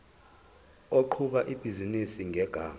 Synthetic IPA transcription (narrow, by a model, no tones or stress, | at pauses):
oǃʰuɓaʔib̥ʱizinisiŋʱɛɡ̥ʱaː